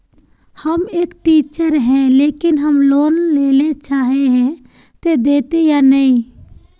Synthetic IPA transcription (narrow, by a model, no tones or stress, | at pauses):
həmeːkʈiːt͡ʃəɾɦɛ̃leːkɪnɦəmloːnleːlet͡ʃaːɦeɦɛ̃ | t̪ed̪eːt̪ejanəĩ